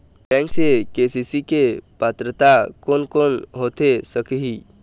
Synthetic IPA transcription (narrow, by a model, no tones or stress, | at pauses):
ʈɛ̃ːŋksekeːsisikepaːt̪ɾət̪akoːnkoːnɦoːt̪esəkɦi